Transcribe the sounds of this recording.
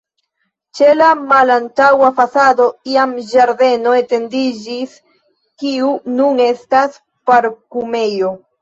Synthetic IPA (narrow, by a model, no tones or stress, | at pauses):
t͡ʃe̞lamalantawafasado̞iamd͡ʒaɾde̞no̞e̞te̞ndid͡ʒis | kiunune̞stas | paɾkume̞jo̞